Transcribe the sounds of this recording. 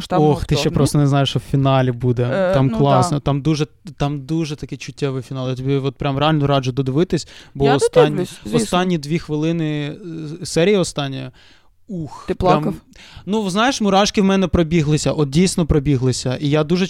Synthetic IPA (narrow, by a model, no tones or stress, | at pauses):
ɔxt̪ɪʃt͡ʃɛpɾɔst̪ɔneznɑjɪʃɔwfʲinɑlʲibud̪ɛt̪ɑmklˠɑsnɔt̪ɑmd̪uʒɛt̪ɑmd̪uʒɛt̪ɐkɪt͡ʃʊtʲːɛʋɪjfʲinɑlˠjt̪ɔbʲiɔt̪̚pɾʲamrealʲnɔʊɾɑd͡ʒʊd̪ɔd̪ɪʋɪt̪ɪsʲbɔːst̪ɑnʲːɔst̪ɑnʲːid̪ʋʲixʋɪlˠɪnɪ | sɛɾʲijiɔst̪ɑnʲːijɐ | uxɾɾamnuznɑjeʃmʊɾɑʃkɪwmɛnɛpɾɔbʲiɦlˠɪsʲɐʔɔt̪̚dʲijsʲnɔpɾɔbʲiɦlˠɪsʲɐʔijad̪uʒɛ